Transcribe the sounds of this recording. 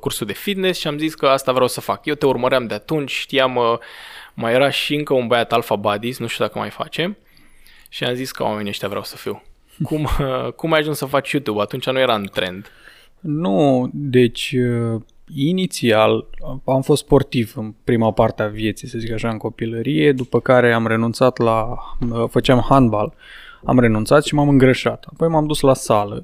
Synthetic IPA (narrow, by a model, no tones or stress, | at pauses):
kursuld̪e̞fid̪ne̞sʃiamziskəast̪avɾeawsəfakjewt̪eurməɾeamd̪eat̪unt͡ʃʲʃt̪ijaməː | ajeɾaʃiɨŋkəunbəjat̪alfabad̪isnuʃt̪jud̪akəma̰jfa̰t͡ʃe̞m | ʃia̰mziskə̰wa̰me̞nieʃt̪ʲavɾeawsə̥fiw | kumkumːajaʒunsəfat͡ʃjut̪jubat̪unt͡ʃanuje̞ɾaɨnt̪ɾe̞̰nd̪ | nud̪e̞t͡ʃʲə | init̪sialamfost̪spo̞rt̪ivɨnpɾimapart̪eavje̞t̪sijsəzikaʃaɨŋko̞piləɾije̞d̪upəkaɾe̞amre̞nunt̪sat̪laəfət͡ʃamhand̪̚bal | a̰mre̞nunt̪sat̪ʃimamɨŋɡɾəʃat̪apo̞jmamd̪uslasalə̰